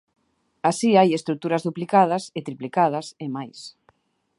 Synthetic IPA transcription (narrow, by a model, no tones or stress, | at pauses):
asiajest̪ɾuk̚t̪uɾɐzðuplikað̞ɐset̪ɾiplikað̞ɐsemajs